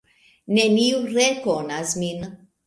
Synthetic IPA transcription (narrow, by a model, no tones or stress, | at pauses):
neniuɾekonasmin